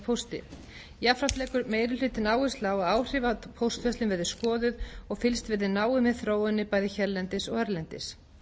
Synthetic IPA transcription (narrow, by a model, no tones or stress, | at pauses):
pʰowst̪ɪ̰ | jafɾat̪lɛːkʏɾmeːjɾɪl̥ʏːt̪ɪnaːwɪst̪lawaðaːwr̥ɪːvapʰowst̪vɛst̪ɪnvɛðɪ̥skɔːðʏðɔɣfɪlst̪vɪðɪnaːwɪmɛðθɾoːwɪnːɪpaːjðɪçɛɾlɛnt̪ɪsɔɣɛɾlɛnt̪ɪ̰s